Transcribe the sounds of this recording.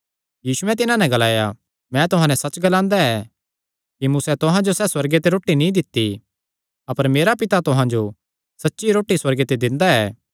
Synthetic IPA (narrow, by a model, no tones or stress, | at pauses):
jiːsuɛ̃t̪ɪnãnɛ̃ɡɐlaːja | mɛ̃t̪ʊɦãːnɛ̃sɐt͡ʃɡɐlãːnd̪aɛ | kimʊsɛt̪ʊɦãd͡ʒosɛswɐɾɡet̪eɾoːʈːinĩd̪ɪt̪ːi | ɐpəɾmeːɾapɪt̪at̪ʊɦãd͡ʒo | sɐtːʃiɾoːʈiswɐɾɡet̪ed̪ɪ̃nd̪aɛː